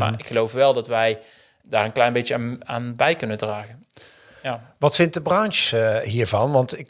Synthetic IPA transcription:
ma̰ɪkχəlowfʋɛlˠdɑtʋɛj | daːɹənklɛjnbejt͡ʃəaːaːnbɛjkɵnəndraːχən | jaːʋɑtfɪnt̚dəbrɑnʃɦiːɹvɑnʋɑntɪk

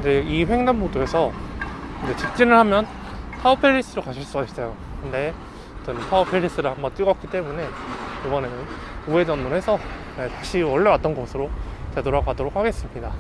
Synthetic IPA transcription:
d͡ʑeiɸweŋnammodoe̞sʰʌkɯnd͡ʑe̞t͡ɕik̚t͡ɕ͈inɯɭhamjʌn | tʰaupʰeɾis͈ɯɾokaɕʰiɭs͈uas͈ʌjokɯnde̞ | t͡ɕʌntʰaupʰeɾis͈ɯɾɯɦambʌt͈wiɡʌk͈it͈e̞mune̞ibʌne̞nɯn | ue̞d͡ʑʌnmonɦe̞sʰʌ | netaɕʰiʌɭːewat͈ʌnɡʌsʰɯɾot͡ɕe̞doɾaɡoɦadoɾokʰaɡe̞s͈ɯmɲida

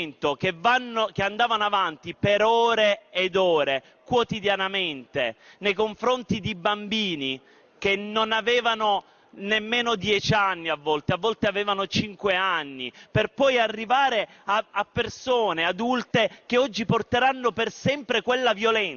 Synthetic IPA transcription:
nt̪okevːanːok̟eand̪aːvanoavant̪ipeɾɔːɾeːd̪ɔːɾe | kwot̪id̪janament̪enejkoɱfɾont̪id̪ibambiːni | k̟enːonavɛːvano | nemːeːnod̪jɛt͡ʃanːiavːɔlt̪eavːɔlt̪eavɛːvanot͡ʃiŋkweanːiperpɔjarːivaːɾe | aapːersoːnead̪ult̪ekeɔd͡ʒːiport̪eɾanːopersɛmpɾekwelːavjolɛn

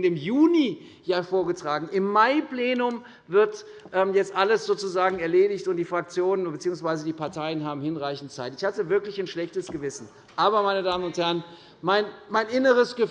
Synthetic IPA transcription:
nɪmjuːni | jaːfoːɐɡətʁ̥aːɡŋ̩ɪmːaɪpl̥eːnʊm | vɪɐt | ʔɛːmjɛt͡stʔaləsz̥oːt͡suzaːɡŋ̩ɛɐleːdɪçtʊntd̥iːfʁ̥ak̚t͡sjoːnənbət͡siːʊŋsv̥aɪzədiːpaɐtʰaɪənɦaːbm̩hɪnʁaɪçn̩tt͡saɪtɪçhatəvɪɐklɪçaɪnʃlɛçtəsɡ̥əvɪsn̩ | ʔaːbɐmaɪnədaːmənʊnthɛɐən | maɪnmaɪnʔɪnəʁ̞əsɡ̥ə

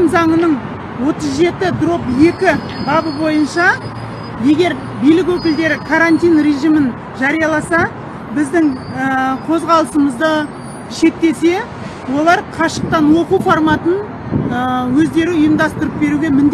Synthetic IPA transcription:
mzɑɴənəɴ | wo̞t̪əzʒe̞t̪ɪd̪ro̞pje̞kʲɪ | bɑbəbo̞jənʃɑ | je̞ɡʲe̞ɾ | bijlɪk̬ʲwɵkʲɪld̪e̞ɾɪkʰaɾant̪ijnre̞ʒijmən | ʒɑɾijɑlˠɑsɑ | bɪzd̪ɪŋəqʰo̞zʁɑlˠəsəməzd̪ə | ʃe̞k̚t̪e̞se̞ | wo̞lˠɑɾqʰɑʃəq̚t̪ɑnwo̞quwfoɾmɑt̪ən | wɵzd̪e̞ɾɪʊjəmd̪ɑst̪əɾəp̚be̞ɾuɡʲe̞mɪnd̪

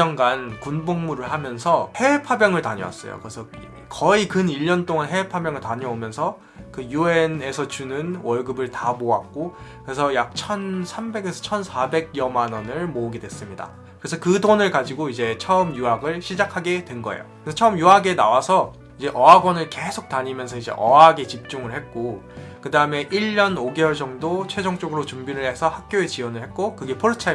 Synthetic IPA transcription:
ʌŋɡankunboŋmuɾɯɭhamjʌnsʰʌhe̞pʰabjʌŋɯɭtaɲʌ̰wa̰s͈ʌjo̰kɯɾesʰʌ | kʌikɯniʎːʌnt͈oŋanɦe̞pʰabjʌŋɯɭtaɲʌomjʌnsʰʌ | kɯjuene̞sʰʌt͡ɕunɯnwʌɭɡɯbɯɭtamoak̚k͈okɯɾe̞s̬ʰʌjak̚t͡ɕʰʌnsʰambe̞ɡesʰʌt͡ɕʰʌnsʰabe̞ɡ̚jʌmanʌnɯɭmoɯɡedwe̞s͈ɯmɲida̰ | kɯɾesʰʌkɯdonɯɭkad͡ʑiɡoid͡ʑe̞t͡ɕʰʌɯmjuɦaɡɯɭɕʰid͡ʑakʰaɡe̞dwe̞nɡʌḛjo̰kɯesʌt͡ɕʰʌɯmjuɦaɡe̞nawasʰʌ | id͡ʑe̞ʔʌaɡwʌnɯɭke̞sʰok̚taɲimjʌnsʰʌid͡ʑe̞̰ʔʌaɡet͡ɕip̚t͡ɕ͈uŋɯɭhe̞t̚k͈okɯdaɯme̞ʔiʎːʌnoɡeʌɭd͡ʑʌŋdot͡ɕʰwe̞d͡ʑʌŋt͡ɕ͈oɡɯɾot͡ɕumbiɾɯɭhe̞sʰʌhak̚k͈joet͡ɕiwʌnɯɭhe̞t̚k͈okɯɡe̞pʰoɭt͡ɕʰ

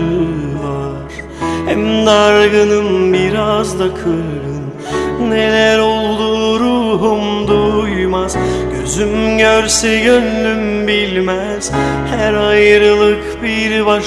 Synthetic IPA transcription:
va | ɾ̥ | hɛmd̪aɾɡɯnɯnbiɾazd̪akʰɯɾɯn | ne̞lʲæɾo̞lˠd̪uɾuɦumd̪ujmaz̥ɟø̰zymɟøɾsɛɟønlym | bilʲmæ | z̥hæɾajɾɯlˠɯkbiɾba

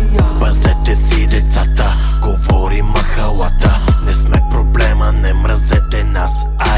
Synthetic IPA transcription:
bɐzɛt̪ɛsid̪ɛt̪sat̪ə | ɡovɔɾimɐxɐlˠat̪ənɛsmɛpɾoblɛmənɛmɾazɛt̪ɛnas | a

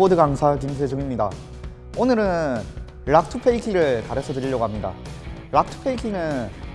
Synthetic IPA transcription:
odɯɡaŋsʰakimsʰed͡ʑɯɡimɲida̰ | onɯɾɯnn | ɾak̚tʰɯpʰe̞ikʰiɾɯɭkaɾesʰʌtɯɾiʎːʌɡoɦamɲida̰ | ɾak̚tʰɯ̥pʰe̞ikʰinɯn

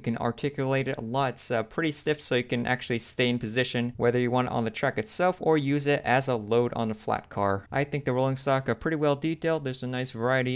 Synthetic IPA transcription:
kɨ̃nɑ̰ɹtʰɪkjɨleɪɾɨɾə̰lɔtsʌpʰɹ̥ɪɾistɪfsoʊjɨkɨ̃nʔæ̰k̚t͡ʃʉl̩ˠisteɪ̃npʰɨzɪʃɨ̃nwɛðə˞jɨwɑ̃ñtɨ̰ɾn̩ðɨtʰɹ̥ækɨtsɛlˠfə˞jʉzɪɾɨzəloʊɾ̃n̩ðəflæ̰t̚kʰɑɹʔaɪθɪ̃ŋk̚ðɨɹoʊlˠɪ̃ŋstɑkə˞pʰɹ̥ɪɾiwɛlˠditʰeɪlˠd̪̚ðə˞zɨnaɪsvə˞aɪɨɾi

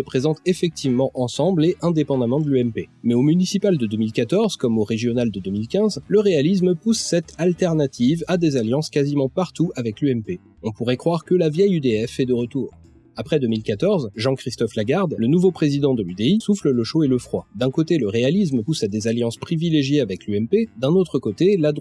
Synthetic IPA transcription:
səpχezɑ̃t̪efɛk̚t̪ʰivmɑ̃ʔɑ̃sɑ̃bleʔɛ̃d̪epɑ̃d̪amɑ̃d̪əlyɛmpemɛomynisipald̪əd̪əmilkat̪ɔʁz̥kɔmoʁeʒjɔnald̪əd̪ømilkʲɛ̃zləʁealis̬mpusːɛt̪ʰalt̪ɛʁnat̪ʰivad̪ezaljɑ̃skazimɑ̃paʁt̪uavɛklyɛmpe | ɔ̃puʁɛkχwaʁkəlavjɛjyd̪eɛfɛd̪əʁət̪uːʁ | apχɛd̪əmilkat̪ɔʁzʒɑ̃kχist̪ɔflaɡaʁd̪lənuvopχezid̪ɑ̃d̪əlyd̪eisuflələʃoeləfχwad̪ɛ̃kot̪eləʁealis̬mpusad̪ezaljɑ̃spχivileʒjeavɛklyɛmped̪ɛ̃not̪χəkot̪elad̪

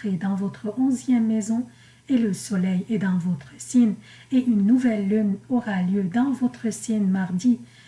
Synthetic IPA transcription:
ed̪ɑ̃vɔt̪χəʔɔ̃zjɛmːɛzɔ̃ | eləsɔlɛjed̪ɑ̃vɔt̪χəsin | eʔynːuvɛlːynɔʁaljød̪ɑ̃vɔt̪χəsɛnmaʁd̪i

